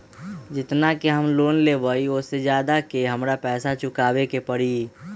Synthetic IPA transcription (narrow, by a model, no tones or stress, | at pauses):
d͡ʒɪt̪nakeɦəmloːnleːʋəiʊsed͡ʒjaːd̪akeɦɐmɾapɛːsat͡ʃʊkaːwekepəɽiː